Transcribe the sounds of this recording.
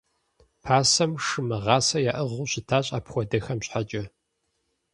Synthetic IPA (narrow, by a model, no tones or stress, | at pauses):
pʰaːsɐmʂɨmɐʁɑːsɐjaːʔɐʁuːɕɪtʰaːɕʼa̰ːpxʷɔdɐxɐmɕħat͡ʃʼɐ